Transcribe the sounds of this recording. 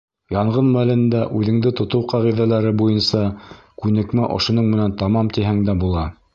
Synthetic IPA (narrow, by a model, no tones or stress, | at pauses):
jɑɴʁɤnmælɘ̆nd̪æʔʉðɘ̆ŋd̪ɘt̪ŏt̪ɤwqɑʁiðælæɾɘbujɤnsɑ | kʉnɘ̆kmæʔŏ̰ʃŏnɤɴmɘ̆nænt̪ɑmɑmt̪iɦæŋd̪æbulˠɑ